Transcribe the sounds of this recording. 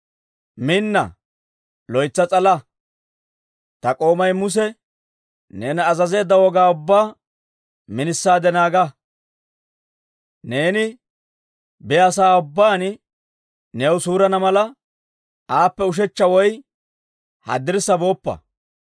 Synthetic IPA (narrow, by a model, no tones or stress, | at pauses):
mɪnːɐ̰ | lɔjt͡sːɐt͡sʼɐlɐ | t̪ɐkʼo̞ːmɐjmʊs̬ɛ | ne̞ːnːzɐze̞ːd̪ːɐwɔɡaːʊbːaː | mɪnɪsːaːd̪ɛnaːɡɐ | ne̞ːnɪ | bɛjːsaːʊbːaːn | newsuːɾɐnɐmɐlɐ | aːpːɛʊʃ̬ɛt͡ʃːɐwɔj | hɐ̰d̪ɪɾsːɐbo̞ːpːɐ̰